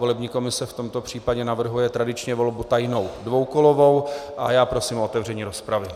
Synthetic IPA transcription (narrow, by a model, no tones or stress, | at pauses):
o̞lɛbɲiːko̞mɪsɛft̪o̞mt̪o̞pr̝̥iːpaɟɛnavr̩ɦujɛt̪ɾadɪt͡ʃɲɛvo̞lbut̪ajno̞wdvo̞wkolo̞vo̞wʔajaːpɾo̞siːmoʔot̪ɛvr̝ɛɲiːɾo̞spɾavɪ